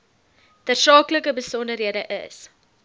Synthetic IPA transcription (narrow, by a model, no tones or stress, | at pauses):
d̥ərsɑːkləkəbəsɔndərɦiədəʔə̰s